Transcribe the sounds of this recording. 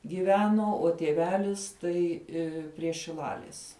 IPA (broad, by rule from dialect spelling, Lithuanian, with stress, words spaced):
ɡʲɪˈʋʲæːnoː oː tʲiɛˈʋʲæːlʲɪs ˈtɐɪ ˈɪ pʲrʲiɛ ʃʲɪˈlˠɑːlʲɪs